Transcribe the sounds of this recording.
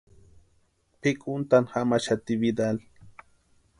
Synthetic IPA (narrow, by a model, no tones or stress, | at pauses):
pikʼʊnt̪anxamaʃat̪iβid̪al